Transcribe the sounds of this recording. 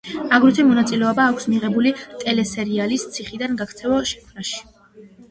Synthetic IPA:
aɡɾit̪ʰɛmɔnat̪sʼilɛɔbaːkʷʰsmiʁɛbulit̪ʼɛlɛsɛɾialist̪sʰiχid̪anɡakʰt̪sʰɛvɔʃɛ̥kʰnaʃi̥

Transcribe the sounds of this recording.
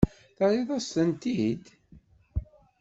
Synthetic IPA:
θɑɾiðˤɑstənt̪id̪

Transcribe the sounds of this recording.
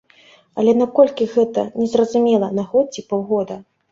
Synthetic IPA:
ɐlʲɛnakɔlʲkʲiɣɛt̪ɐ̰nʲɛzrɐzumʲɛlˠɐnaɣɔt͡sʲːipawɣɔd̪ɐ

